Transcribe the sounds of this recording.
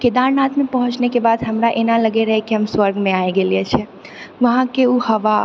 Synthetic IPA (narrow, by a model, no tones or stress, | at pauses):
ked̪aɾnat̪mepəɦʊ̃t͡ʃnekebad̪ɦəmɾaʔenaləɡeɾəɦɛkiɦəmswəɾɡmẽaeɡeliet͡ʃʰɛ | ʋəɦãkeuhəʋa